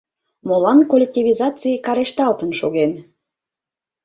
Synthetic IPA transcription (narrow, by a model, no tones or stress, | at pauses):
molɑnkolʲek̚t̪ʲiβʲizɑt͡sijkɑɾeʃt̪ɑlt̪ənʃoɣen